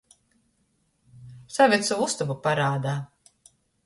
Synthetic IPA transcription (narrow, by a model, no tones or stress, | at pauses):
savʲit̪suust̪uvupaɾaːd̪aː